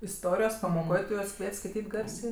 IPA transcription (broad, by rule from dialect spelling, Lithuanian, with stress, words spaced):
ɪsˈtoːrʲɪjoːs pɐmoːˈkoːj ˈtʊ ˈjuɔs ˈkʋʲiɛtʲ skɐɪˈtʲiːtʲ ˈɡɐrʲsʲeː